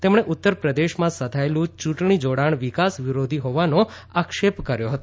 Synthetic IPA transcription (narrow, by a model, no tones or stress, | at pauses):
t̪emɳeʔut̪ːəɾpɾəd̪eʃmãsəd̪ʱaelũt͡ʃuʈɳ̃id͡ʒoɽaɳ̃ʋikasʋiɾod̪ʱiɦoʋano | akʃepkəɾjoɦət̪o